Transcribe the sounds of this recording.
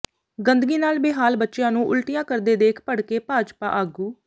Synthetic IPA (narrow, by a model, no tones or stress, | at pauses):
ɡənd̪əɡiːnaːlbeːɦaːlbətːʃjãːnũːʔʊlʈɪjãːkəɾd̪eːd̪eːkʰpəɽkeːpaːd͡ʒpa̰ːʔaːɡuː